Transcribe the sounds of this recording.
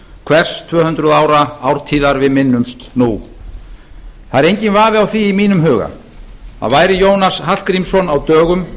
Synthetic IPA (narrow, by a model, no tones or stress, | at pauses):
kʰvɛr̥st̪ʰvœːhʏnt̪ɾʏðaːwɾaawɾ̥t̪ʰiːðaɾvɪðmɪnːʏmst̪nu | θaðɾejɲcɪnvaːvɪawθviːmiːnʏmɦʏːɣa̰ | θa̰ðvaːjɾɪjoːwnashḁkɾimsɔnawt̪œːɣʏm